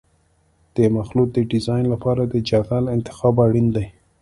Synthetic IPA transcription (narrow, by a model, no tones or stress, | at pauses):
d̪̥əmaxluk̪̚d̪əɖɪzɑjnlapɑɾad̪əd͡ʒɑt̪alɪnt̪ɪ̥xɑbaɽind̪aj